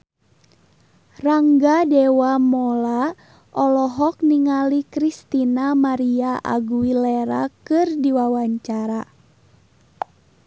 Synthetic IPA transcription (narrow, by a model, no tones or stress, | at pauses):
raŋɡadɛwamɔla | ʔɔlɔɦɔk̚niŋalikɾist̪inamaɾiaʔa̰ɡuwilɛɾakɨrdiwawaɲt͡ʃaɾa